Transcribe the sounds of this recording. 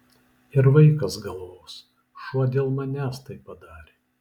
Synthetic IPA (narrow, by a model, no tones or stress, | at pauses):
ɪɾʋɐɪkɐsɡɐlˠʋoːs | ʃuɔd̪ʲeːlˠmɐnʲæːst̪ɐɪpːɐd̪ɑːɾʲeː